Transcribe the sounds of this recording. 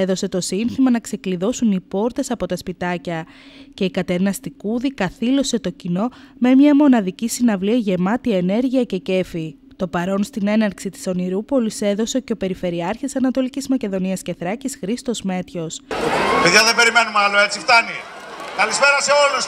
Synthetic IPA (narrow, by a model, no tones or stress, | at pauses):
eðo̞se̞t̪o̞sinθimɐnɐkse̞kliðo̞sunipo̞ɾt̪e̞sɐpo̞t̪ɐspit̪ɐcɐ | ce̞ikɐt̪e̞ɾnɐst̪ikuðikɐθilo̞se̞t̪o̞cino̞me̞mɲɐmo̞nɐðicisinɐvliɐʝe̞mɐt̪iɐene̞ɾʝiɐce̞ce̞fi | t̪o̞pɐɾo̞nst̪ine̞nɐɾksit̪i̥so̞niɾupo̞lise̞ðo̞seoceope̞ɾife̞ɾiɐɾçit̪isɐnɐt̪o̞licizmɐce̞ðo̞niɐsce̞θɾɐcisxɾist̪o̞zme̞t̪ço̞speðʝɐðebe̞ɾime̞numɐloe̞t͡sift̪ɐnikɐlispeɾɐseolus